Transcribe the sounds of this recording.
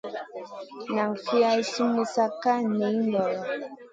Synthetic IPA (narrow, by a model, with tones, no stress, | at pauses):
na˨ŋ˨fi˦a˦i˦su˦mu˨sa˦ka˦ni˨˦mɔ˨lɔ˨